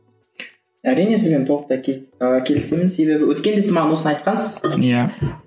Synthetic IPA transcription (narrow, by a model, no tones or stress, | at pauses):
æɾijne̞sɪzbent̪ʰoəq̚t̪ɑkʲʰe̞lɪse̞mɪnse̞be̞bɪwɵt̪̚kʲe̞nd̪esɪmɑʁɑnwosənɑjt̪̚qɑnsəz̥ja